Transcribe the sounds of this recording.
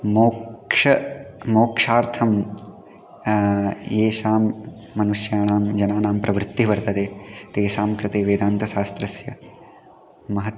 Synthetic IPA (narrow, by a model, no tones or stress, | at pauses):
moːʂɐmoːkʂaːɾt̪ʰɐm | jeːʃaːmː | ɐnuʃjaːɳaːmd͡ʒɐnaːnaːmpɾɐʋɾɪt̪ːiʋɐɾt̪ɐd̪eːt̪eːʃaːmkɾɪt̪eːʋeːd̪aːnt̪ɐʃaːst̪ɾɐsjɐ | mɐɦɐt̪